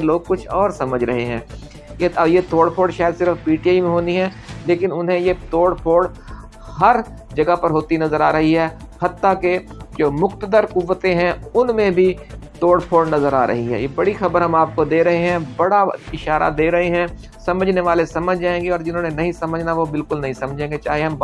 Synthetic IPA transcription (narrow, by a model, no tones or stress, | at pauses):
loːɡ̚kʊt͡ʃʰɔːɾsɐməd͡ʒʱɾɐɦeɦɛ̃ː | jejet̪oːɽpʰoːɖʃaːjəd̪sɪɾəfpiːʈiaːimẽɦoːniɦɛːleːkɪnʊnɦẽjet̪oːɽpʰoːɖ | hɐɾ | d͡ʒɐɡapɐɾɦoːt̪inɐzəɾaːɾɐɦiɦɛː | hɐt̪ːake | d͡ʒoːmʊxt̪əd̪əɾkʊʋːət̪ẽɦɛ̃ʊnmẽbʱit̪oːɽpʰoːɖnɐzəɾa̰ːɾɐ̰ɦiɦɛ̰jebɐɽixɐbəɾɦɐ̃maːp̚kod̪eːɾɐɦeɦɛ̃bɐɽaɪʃaːɾa̰d̪eːɾɐɦeɦɛ̃ː | sɐməd͡ʒʱneʋaːlesɐməd͡ʒʱd͡ʒaːẽːŋɡeɔːɾd͡ʒɪnɦõːnenɐɦĩsɐməd͡ʒʱnaʋobɪlkʊlnɐɦĩsɐmd͡ʒʱẽːŋɡet͡ʃa̰ːɦeɦɐm